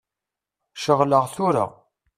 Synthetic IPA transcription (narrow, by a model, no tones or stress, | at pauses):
ʃəʁləʁθʊɾa̰